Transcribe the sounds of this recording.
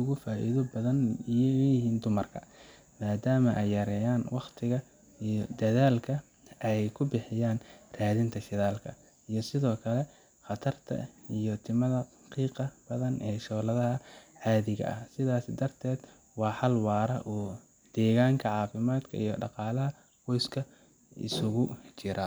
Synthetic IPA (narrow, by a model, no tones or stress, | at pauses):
ʊɣʊfaːʔḭðɔbɐðɐnijɔwɛjɪɦiːnd̪ʊmɐrkʰɐ̰ | maːd̪aːmɐʔɛjːɐɾɛːjaːnwɑqt̪ʰɪɣɐ | ijɔd̪ɐðaːlkʰɐ | ʔɛjkʰʊbɪħɪjaːnraːðɪnt̪ʰɐʃɪðaːlkʰɐ | ijɞsɪðɔːkʰɐlɛ | χɑt̪ʰɐrt̪ʰɐ̰ijɞt̪ʰɪmɐðɐ | qiːqɑb̥ɐðɐnʔɛːʃɔːlɐðɐɦɐʕaːðɪɣɐ̰ʔɐ̰hsɪðaːsɪd̪ɐrt̪ʰɛːd̪ | wɑːħɑlwɑːɾɐ̰ʔuː | d̪̥ɛːɣaːŋkʰɐʕɑːfɪmaːd̪kʰɐ̰ʔijɔɖɑqɑːlɐɦɐ | qɔjskʰɐ | ʔɪ̰sʊɣʊt͡ʃɪɾʔɐ